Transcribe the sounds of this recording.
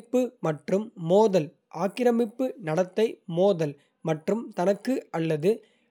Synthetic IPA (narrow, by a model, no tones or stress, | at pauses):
pːɯmɐʈrɯmːoːðɐl | ʔaːkɪɾɐmɪpːɯnɐɽɐt̪ːɐɪmoːðɐl | mɐʈrɯmt̪ɐnɐkːɯɐlːɐðɯ